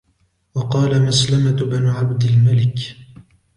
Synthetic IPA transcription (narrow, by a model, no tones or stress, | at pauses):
wɑqɑːlamaslamat̪banʕabd̪ɪlmalɪk